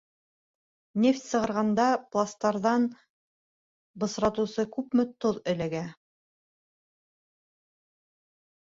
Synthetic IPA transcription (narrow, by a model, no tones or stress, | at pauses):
nʲeft̪ʲsɤ̆ʁɤ̆ɾʁɑnd̪ɑplˠast̪ɑɾðɑn | bɤ̆sɾɑt̪ŭsɤkʉpmɘ̆t̪oðɵ̆læɡæ